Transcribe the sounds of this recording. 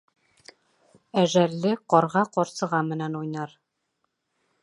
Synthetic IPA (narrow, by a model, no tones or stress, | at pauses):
æʒælːɘqɒɾʁɑqɒɾsɤ̆ʁɑmɘ̆nænujnɑɾ